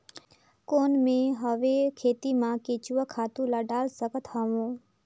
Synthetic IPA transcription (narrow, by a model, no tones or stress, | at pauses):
koːnmẽɦəʋekʰeːt̪imãket͡ʃuʋakʰaːt̪ũlaɖaːlsəkət̪ɦaʋõː